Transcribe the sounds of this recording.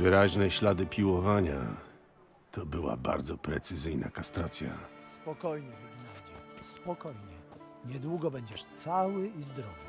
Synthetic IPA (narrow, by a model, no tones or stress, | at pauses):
vɘɾaʑnɛɕlad̪ɘpʲiwɔvaɲa̰ | t̪ʰɔbɘwa̰ba̰ɾd̪zɔpɾɛt̪sɘzɘjna̰kast̪ɾat̪sʲja̰spɔkɔjɲɛvuɡʲiɛd͡ʑɛspɔkɔjɲɛ | ɲɛd̪wuɡɔbɛɲd͡ʑɛʂt̪sawɘizd̪ɾɔvɪ